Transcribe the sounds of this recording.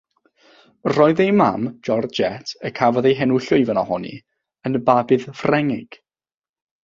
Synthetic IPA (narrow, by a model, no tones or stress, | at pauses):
rɔɨðejma̰md͡ʒɔrd͡ʒɛtʰəkʰavɔðejɦɛnʊɬʊivənahɔnḭ | ənəbabɨðfrɛŋɪɡ̥